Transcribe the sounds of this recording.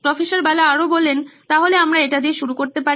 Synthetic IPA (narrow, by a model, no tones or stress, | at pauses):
pɾɔfeʃaɾbalaaɾobolːent̪aɦoleamɾaeʈad̪ieʃuɾukoɾt̪epa